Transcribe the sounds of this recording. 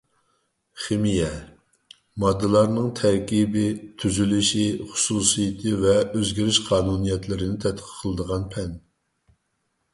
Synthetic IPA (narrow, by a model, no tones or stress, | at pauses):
χemijɛ | mɑd̪ːɨlˠɑɾnɨŋt̪ʰɛɾkʲibɪt̪ʰyzylyʃiχʊ̥suːsijit̪ʰɨvɛøzɡʲiɾyʃqʰɑːnunijɛt̪lɪɾɪnɪt̪ʰɛt̪qʰə̥əlˠɨd̪əʁɑnpʰɛn